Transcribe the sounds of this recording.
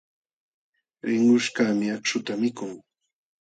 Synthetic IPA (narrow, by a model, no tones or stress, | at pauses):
ɾɪŋʊʃkaːmɪakt͡ʃʊt̪amɪkʊŋ